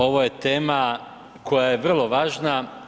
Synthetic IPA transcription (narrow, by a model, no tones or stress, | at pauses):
o̞ʋoje̞t̪e̞ːma | kʰo̞jajeʋr̩lˠo̞ʋaːʒna